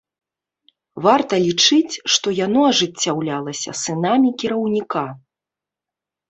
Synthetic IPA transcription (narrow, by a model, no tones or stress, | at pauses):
vart̪ɐlʲit͡ʂɨt͡sʲʂt̪ɔjanɔɐʐɨt͡sʲːawlʲalˠɐsʲɐ̰sɨnamʲikʲiɾɐwnʲika